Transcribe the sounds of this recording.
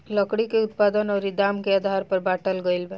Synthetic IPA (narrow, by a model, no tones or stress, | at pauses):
ləkɽikeut̪̚pad̪ənɔɾid̪amkead̪ʱaɾpəɾbaʈəlɡəjlbɛ